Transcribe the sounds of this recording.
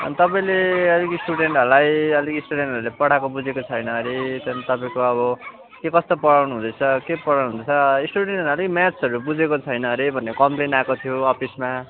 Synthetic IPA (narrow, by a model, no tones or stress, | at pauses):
ʌ̰nit̪ʌpaĩleʌlikisʈuɽeɳʈɦʌɾulajʌlikisʈuɽeɳʈʌɾulepʌɽ̤akobud͡zekot͡sʰʌjnʌɾit̪ʌnt̪ʌpaĩkoʌβʌ | kekʌst̪opʌɽawnuɦũd̪ʌjt͡sʰʌkepʌɽawnuɦũd̪ʌt͡sʰʌsʈuɽeɳʈʌnʌlikmat͡sʰʌɾubud͡zekot͡sʰʌjnʌɾibʱʌnːekʌmplenakot̪ʰijoʌpʰisma